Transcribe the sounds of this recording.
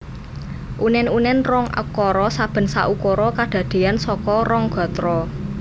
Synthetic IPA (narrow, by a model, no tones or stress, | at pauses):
ʔunɛnunɛnrɔŋʔə̰kɔɾɔsab̥ə̤nsaʔukɔɾɔkaɖ̪̥ä̤d̪̥e̤ansɔkɔrɔŋɡ̥ɔ̤t̪ɾɔ